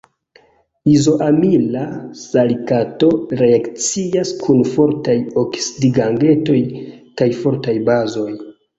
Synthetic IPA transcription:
izo̞ʔamilasalikato̞ɾe̞akt͡siaskʰunfo̞ɾtajoksidiɡaŋɡe̞to̞jkajfo̞ɾtajbazo̞j

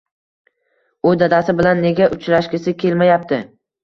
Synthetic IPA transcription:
ʊd̪ad̪asɪbɪlanːe̞ɡʲaʔʊt͡ʃlaʃkʲɪsɪkʲe̞lmajap̚t̪ʰɪ

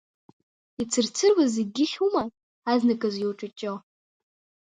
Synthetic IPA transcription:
it͡sʰɨrt͡sʰɨrwazeɡʲɪχʲuma | aznakʼazjiwʈ͡ʂʼat͡ʃʼo

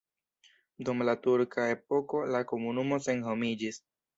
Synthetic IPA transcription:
dumlatuɾkʰae̞p̚o̞ko̞lako̞munumo̞se̞nɦomid͡ʒis

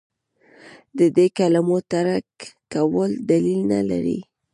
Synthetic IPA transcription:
d̪əd̪ekalamot̪aɾakː | awəld̪alilna̰la̰ɾḭ

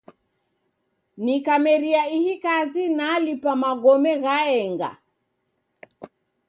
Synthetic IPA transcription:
nikamɛɾiaihikazinalipamaɡɔmɛɣaɛŋɡa̰

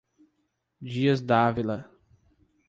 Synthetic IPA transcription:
d͡ʒiɐzd̪avilɐ

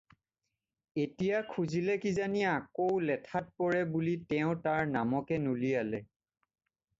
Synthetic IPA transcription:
etijakʰuzilɛkizaniakowlɛtʰat̚pɔɹɛbulitɛʊ̃taɹnamɔkɛnulialɛ

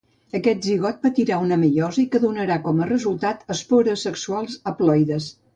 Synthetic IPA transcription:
əkɛt̪̚ʒiɣ̞ɔt̪̚pət̪iɾaunəməʎɔzəikəðunəɾakɔmərəzulˠt̪at̪əspoɾəsːəksualˠzəplɔjðəs

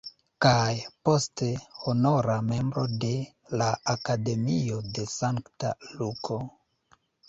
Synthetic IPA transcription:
kajpo̞ste̞hono̞ɾame̞mbɾo̞de̞ | laːkade̞mio̞de̞saŋkta̰lukʰo̞

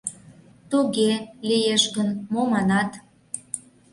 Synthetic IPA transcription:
t̪uɣelijeʃɣənmomɑnɑt̪

